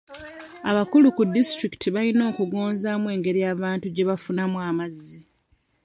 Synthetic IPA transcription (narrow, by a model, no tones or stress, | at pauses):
aβakulukudːistɾiki̥tiβalino̞ːkuɡo̞ːnzamwe̞ːŋɡe̞ɾijaːβaːntuɟe̞βafunamwaːmazːi